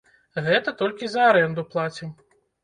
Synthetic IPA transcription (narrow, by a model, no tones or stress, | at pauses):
ɣɛt̪ɐt̪ɔlʲkʲizɐaɾɛnd̪uplˠat͡sʲi